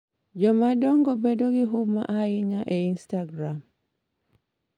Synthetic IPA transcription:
d͡ʒɔmadɔŋɡɔbedoɡɪɦʊma̰ʔaɪɲaʔeinstaɡɾam

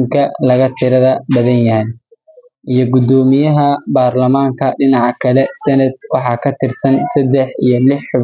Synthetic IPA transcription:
ŋkʰɐlɐɣɐt̪ʰɪɾɐðɐbɐðɐnjɐhɛj | ʔijɞɡʊd̪ɔːmɪjɐɦɐbaːrlɐmaːŋkʰɐɖɪnɑʕɑkʰɐlɛsɐnɐd̪̚wɑħɑːkʰɐt̪ʰɪrsɐnsɐd̪ɛħḭjɔlɪħʊ

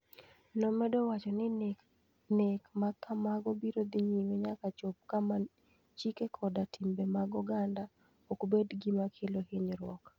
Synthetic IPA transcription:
nɔmɛdɔwat͡ʃɔnɪ | nekmakʰːamaɡɔbiɾod̪iɲiwɛɲakat͡ʃop̚kama | t͡ʃikekʰɔdatʰimbemaɡɔɡanda | okbedɡimakʰeloheɲɾwɔk

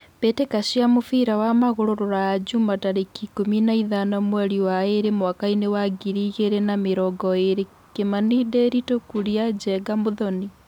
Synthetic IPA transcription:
petekaɕiamofiɾawamaɣoɾoɾoɾajad͡ʒumataɾekikominaiðanɔmwɛɾiwaeɾemwakainewaɡiɾiɣeɾenameɾɔɡɔeɾe | kemanideɾitokuɾiad͡ʒɛɡamoðɔni

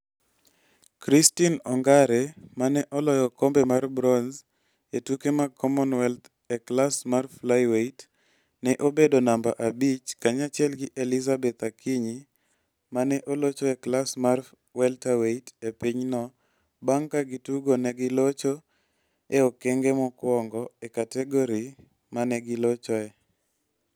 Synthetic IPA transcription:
kɾistinɔŋɡaɾɛmanɛʔɔlɔjɔkɔmbɛmarbɾɔnz | etukemakʰɔmɔnwɛlt | ɛklasmarflajweit | nɛʔobedonambaʔabit͡ʃkaɲat͡ʃjɛlɡɪʔelizabɛt̪akʰiɲi | manɛʔolot͡ʃɔɛklasmar | wɛltaweitepiɲnɔ | baŋkaɡituɡonɛɡɪlot͡ʃo | eokeŋɡemɔkwɔŋɡɔekatɛɡɔɾi | manɛɡɪlot͡ʃɔɛ

